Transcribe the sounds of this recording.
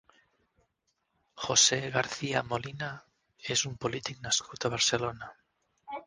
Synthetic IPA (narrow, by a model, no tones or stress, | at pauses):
xoseɣaɾθiamolina | esumpolit̪ik̚naskut̪aβ̞aɾselona